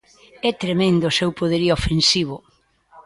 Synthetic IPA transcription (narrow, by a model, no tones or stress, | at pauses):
ɛt̪ɾemẽnd̪ʊsewpoðeɾiofensiβ̞ʊ